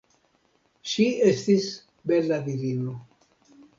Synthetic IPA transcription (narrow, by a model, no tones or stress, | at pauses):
ʃiestis | belad̪ivino